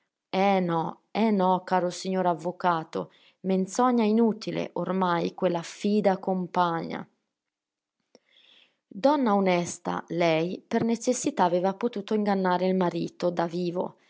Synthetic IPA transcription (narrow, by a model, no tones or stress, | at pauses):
ɛnɔ | ɛnɔkːaːɾosiɲːoːɾavːokaːt̪o̰ | ment̪sɔɲːainuːt̪ilḛʔormajkwelːafiːd̪akompaɲːa̰ | d̪ɔnːaonɛst̪a̰lɛjpernet͡ʃesːit̪aːveːvapot̪uːt̪oiŋɡanːaːɾeilmaɾiːt̪od̪aviːvo̰